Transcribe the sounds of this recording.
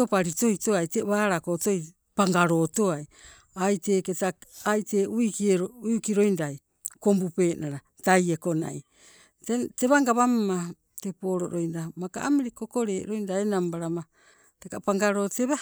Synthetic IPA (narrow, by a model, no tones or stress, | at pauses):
topaɾito̞jto̞ajteβaːɾakoto̞j | paŋɡaɾo̞to̞aj | ajte̞ːketaajte̞uikieɾoujukiɾo̞jndaj | ko̞mbupe̞ːnaɾa | taje̞ko̞na̰j | tete̞βaŋɡaβamma | tepo̞ːɾo̞ɾo̞jndamaka̰amiɾeko̞ko̞ɾe̞ːʔɾo̞jndaenambaɾama | tekapaŋɡaɾo̞ːteβa